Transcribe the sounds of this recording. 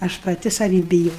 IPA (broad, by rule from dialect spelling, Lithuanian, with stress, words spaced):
ɐʃ pɐˈtʲɪ sɐˈʋʲiː bʲɪˈjoː